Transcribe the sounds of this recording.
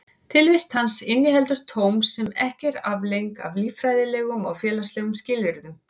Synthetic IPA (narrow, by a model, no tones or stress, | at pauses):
t̪ʰɪlvɪst̪hansɪnjɪhɛlt̪ʏɾ̥t̪ʰowmsːɛmɛhcɛɾavlejŋka̰vliːffɾajðɪlɛːɣʏmɔɣfjɛːlast̪lɛːɣʏmscɪlɪɾðʏm